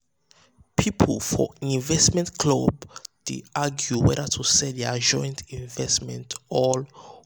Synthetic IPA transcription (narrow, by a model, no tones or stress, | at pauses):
pʰipʰɔlfɔ̰ĩnvɛstmɛ̃ntkʰlobd̥ḛʔaɡjuwɛdatʰusɛdɛad͡ʒɔ̃j̃ntʰĩnvɛsmɛ̃ntʰɔl